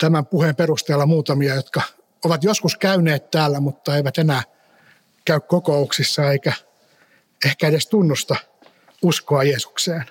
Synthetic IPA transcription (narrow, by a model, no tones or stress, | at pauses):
t̪æmæmpuhemperust̪eːlːɑmuːt̪ɑmiɑjot̪kɑ | oʋɑt̪joskuskæyneːt̪t̪æːlːæmut̪ːɑeiʋæt̪enæː | kæykkokouksisːɑeikæ | ehkæedest̪unːust̪ɑ | uskoɑjeːsu̥kseːn